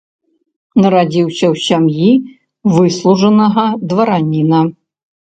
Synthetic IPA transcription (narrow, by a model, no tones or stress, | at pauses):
nɐɾad͡zʲiwsʲɐwsʲamji | vɨslˠuʐɐnɐɣɐd̪vɐɾanʲinɐ